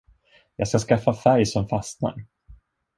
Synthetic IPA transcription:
jɑːɡskaskafːafæɾjsɔmfast̪na̰ɾ

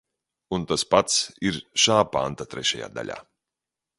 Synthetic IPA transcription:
unt̪aspat̪siɾʃaːpant̪at̪ɾɛʃaja̰ːd̪a̰lʲa̰ː

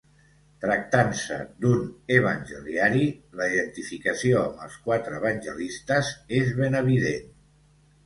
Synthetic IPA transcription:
t̪ɾək̚t̪ansə̰d̪unəβ̞ənʲʒəliaɾiləiðənt̪ifikəsioəmbəlˠskwat̪ɾəːβənʲʒəlist̪əzezβenəβ̞iðen

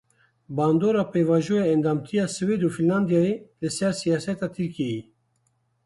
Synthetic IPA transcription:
bɑːnd̪oːɾɑːpeːvɑːʒoːjeɛnd̪ɑːmt̪ʰijɑːsɨweːd̪uːfinlɑnd̪ijɑːelɨsɛɾsijɑːsɛt̪ɑːt̪ʰɨɾkeji

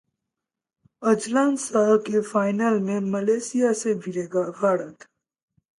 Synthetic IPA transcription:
əd͡ʒlaːnsakefaːjnalmẽməleːsijasebʱiɾeːɡabʱaːɽət̪

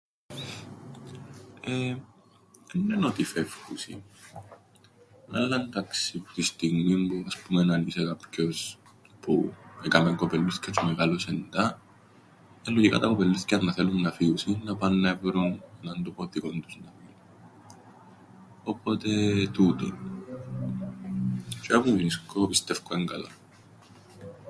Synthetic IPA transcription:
e | enːenot̪ife̞fkusḭ | nɐlːɐnt̪ɐksipu̥t̪ist̪iɣmimpuɐspumenɐnisekapco̞s | pʰuekameŋko̞pelːuscɐt͡sumeɣalosend̪ɐ | elːocika̰t̪akopelːuθcanːaθelunːafiusinːapanːevɾunɛnant̪upot̪ikont̪usnafiu | opot̪et̪ut̪ṵ | t͡ʃapufiniskopist̪ɛfkoeŋkala̰

